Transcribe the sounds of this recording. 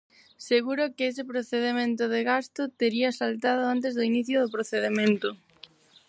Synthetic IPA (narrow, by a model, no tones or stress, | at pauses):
seɣuɾʊkɪes̬ɪpɾoθeðemẽnt̪ʊðeɣast̪ʊt̪eɾiasalt̪að̞ʊant̪̬ezðʊiniθjʊðʊpɾoθeðemẽnt̪ʊ